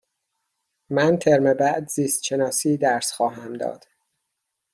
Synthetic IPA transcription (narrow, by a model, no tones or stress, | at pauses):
mænt̪ʰeɾmebæʔd̪ziːst̪ʃenɒːsiːd̪æɾsxɒːɦæmd̪ɒ̰ːd̪̥